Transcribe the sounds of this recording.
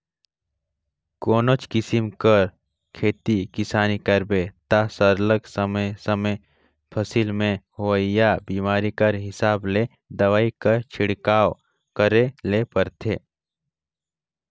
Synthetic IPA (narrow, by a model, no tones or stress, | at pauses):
koːnot͡ʃkɪsimkəɾ | kʰeːt̪ikɪsaːnikɐɾbet̪asəɾləɡsəməsəme | pʰɐsilmẽhoəjabiːmaːɾikɐɾɦɪsaːbleː | d̪ɐʋaːikət͡ʃʰɪɽkaːw | kəɾelepəɾt̪ʰeː